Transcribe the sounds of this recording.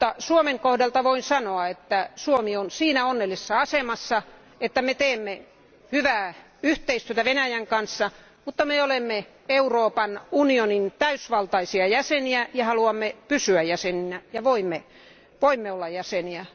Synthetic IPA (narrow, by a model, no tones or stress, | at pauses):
t̪ːɑsuomeŋkohdelt̪ɑʋoinsɑnoɑet̪ːæsuomionsiːnæonːelːˑisesːɑɑsemɑsːɑ | et̪ːæmet̪eːmːe | hyʋæː | yht̪eist̪yøt̪æʋenæjæŋkɑnsːɑ | mut̪ːɑmeolemːe | euroːpɑnunionint̪æysʋɑlt̪ɑisiɑjæseniæjɑhɑluɑmːepysyæjæseninæjɑʋoimːe | ʋoimːeolːɑjjæseniæ